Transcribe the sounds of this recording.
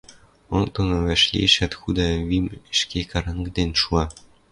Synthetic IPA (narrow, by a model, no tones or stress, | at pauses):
ont̪ɤnɤ̆βʲæʃlʲḛʃæ̆t̪xud̪ɑβimɘ̆ʃkʲekɑɾɑŋɡd̪enʲʃuɑ